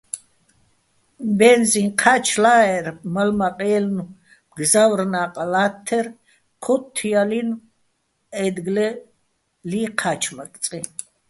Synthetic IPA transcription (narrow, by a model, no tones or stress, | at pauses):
mbɛnzinqʰat͡ʃʰlaːɛɾmalmaqʼɛɛlnu | ɡzavrnaːqʼlat̪ʰːɛr | kʰɔt̪ʰːijalin | ɛd̪ɡlɛ | liqʰat͡ʃʰmak̪ʼsʼi